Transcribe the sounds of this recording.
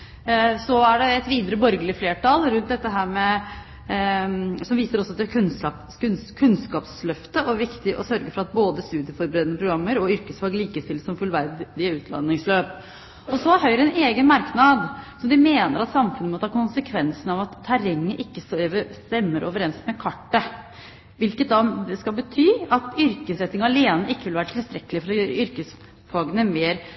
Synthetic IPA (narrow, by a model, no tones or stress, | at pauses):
sɔæɖɛɛt̪ʋiːd̪əɾəbɔɾɡəlɪfleːʈɑlɾʉnt̪̚d̪ɛt̪ːəɦæːɾmɛ | sɔmʋiːsəɾɔsːɔd̪ɛk̪ʰɑ | kʰʉnskɑːpslœft̪əʔɔʋɪkt̪ɪʔɔ̰sœɾɡəfɔɾɑt̪̚boːd̪əst̪ʉːd̪ɪəfɔɾbəɾeːd̪ənəpʰɾʊɡɾɑmːəɾɔʏɾkəsfɑɡliːkəst̪ɪlsɔmfʉlʋæɾd̪d̪ɪəʉːt̪ʰlɑ̰nːɪŋsløːp̚ | ɔsɔɦœʏɾəɛneːɡənmɑɾknɑd̪sɔmd̪ɪmeːnəɾɑt̪sɑmfʉnəmɔt̪ʰɑːkʰʊnsəkʰʋɛnsənɑʋɑt̪ʰːæɾɛŋːəʔɪkːəsʋəst̪ɛmːəɾʔo̰ːʋəɾɛnsmɛkʰɑʈːə | ʋɪlkət̪̚d̪ɑd̪ɛskɑlbət̪ʰyːɑt̪ʏɾkəsɾɛt̪ːɪŋɑleːnəʔɪkːəʋɪlʋæːɾəʈ̪ʰɪlst̪ɾɛkːəlɪəfɔɾɔjøːɾə̰ʏɾkəs | fɑːɡənəmeːɾ